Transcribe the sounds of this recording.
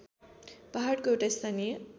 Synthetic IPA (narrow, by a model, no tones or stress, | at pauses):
paɦaɽkoewʈaist̪ʰanie